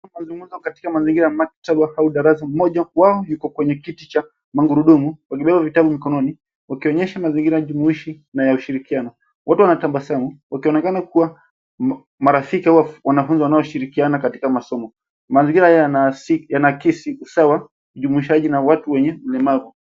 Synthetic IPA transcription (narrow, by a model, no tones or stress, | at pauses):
mazuŋɡuzɔkati̥kamaziŋɡiɾajamak̚taɓahauɗaɾasam̩mɔʄawaɔjukɔkwɛɲɛkitit͡ʃa | maŋɡuɾuɗumuwakiɓɛɓavitaɓumikɔnɔni | wakiɔɲɛʃamaziŋɡiɾajaʄumuiʃi | najauʃiɾikianɔ | watuwanatambasamuwakiɔnɛkanakuwa | maɾafikihawawanafunziwanaɔʃiɾikianakati̥kamasɔmɔ | maziŋɡiɾaanasijanakisiusawa | uʄumuiʃaʄinawatuwɛɲɛm̩lɛmavu